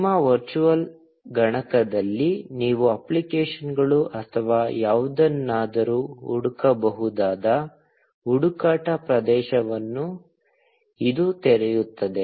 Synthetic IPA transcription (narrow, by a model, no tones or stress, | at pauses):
mːɐʋɐɾt͡ʃuʋɐl | ɡɐɳɐkɐd̪ɐlːiniːʋuɐplikeːʃɐnɡɐɭuʔɐt̪ʰɐʋaːjaːʋud̪ɐnːaːd̪ɐɾuːuɽukɐbɐɦud̪aːd̪ɐ | uɽukaːʈɐpɾɐd̪ɛːʃɐʋɐnːu | id̪ut̪ɛɾɛjut̪ːɐd̪e̞